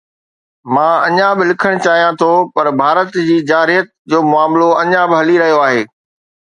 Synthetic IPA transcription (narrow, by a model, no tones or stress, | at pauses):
mãːɐɲãbɪlɪkʰəɽ̃t͡ɕaːɦijãt̪ʰopɐɾbʱaːɾət̪d͡ʑiːd͡ʑaːɾijət̪̚ | d͡ʑoːmʊaːmloɐɲãbɪɦɐliɾɐɦijoaːɦeː